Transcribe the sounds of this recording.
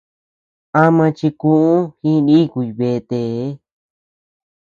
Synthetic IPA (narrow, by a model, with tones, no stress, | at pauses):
a˦mã˧t͡ʃi˧kũ˦ũ˦hĩ˦˧nĩ˦ku˧i˧βe˧˨˧t̪e˧˨˦